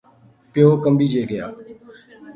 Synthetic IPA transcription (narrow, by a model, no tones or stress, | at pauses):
pɪjoːkəmbiːd͡ʒeːɡəjaː